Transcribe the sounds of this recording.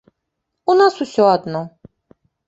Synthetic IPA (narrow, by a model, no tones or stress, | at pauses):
unasusʲɔad̪nɔ